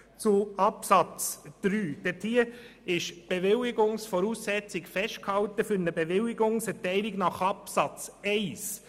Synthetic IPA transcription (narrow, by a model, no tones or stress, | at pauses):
t͡suɑpsɑt͡sd̥ɾyːd̥ɛtʰiːəɪʃb̥eʋɪlɪɡʊŋsfɔɾuːsːɛt͡sɪkfɛʃt̚khɑltəfʏɾnəbeʋɪlɪɡʊŋsɛtɛɪlɪɡnɑχɑpsɑt͡sɛɪs